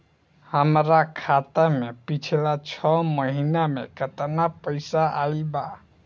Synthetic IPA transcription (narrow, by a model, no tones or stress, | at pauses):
həmɾakʰat̪amepit͡ʃʰilat͡ʃʰɔməɦinamḛkət̪napəɪsaʔaiba